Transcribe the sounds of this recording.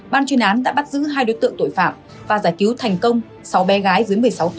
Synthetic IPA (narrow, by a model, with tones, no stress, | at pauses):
ɓaː˧nt͡ɕwi˧ənʔaː˨˦nɗa̰ː˧˥ɓa˦˥t̚zɨ̰˧˥ɦaː˧jɗo˨˦jt̪ɨ̰˧əŋt̪o̰˧˨jfa̰ː˧˨m | vaː˨˩zaː˧˩jki˨˦wt̪ʰɛ˨˩jŋ̟kə˧wŋ͡m | sa˨˦wɓɛ˨˦ɣaː˨˦jvə˨˦jmɨ˨˩əjsa˨˦wt̪